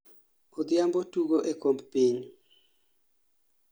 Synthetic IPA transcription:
od̪ɪjambotuɡoʔekombpiɲ

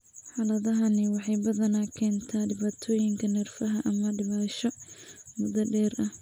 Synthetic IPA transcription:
ħɑːlɐðɐɦɐnɪwɑħɑjbɐðɐnaːkʰɛːnt̪ʰaːɖɪβaːt̪ʰɔːjɪŋkʰɐnɛrfɐɦɐʔɐmɐɖɪβaːʃɔmʊd̪ɐɖɛːrɐh

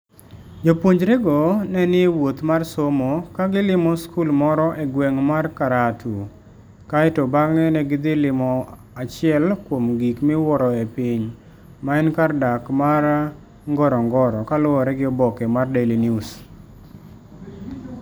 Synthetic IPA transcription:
d͡ʒopwoɲd͡ʒɾɛɡɔnɛnɪwot̪marsomokaɡɪlɪmɔskulmɔɾɔʔeɡwɛŋmarkaɾatu | kaɛtobaŋɛnɛɡɪd̪ɪlɪmɔ | at͡ʃɪɛlkwomɡikmɪwɔɾɔepiɲ | maɛnkardakmaɾ | ŋɡɔɾɔŋɡɔɾɔkalʊɔɾɛɡɪɔbɔkɛmardelinjus

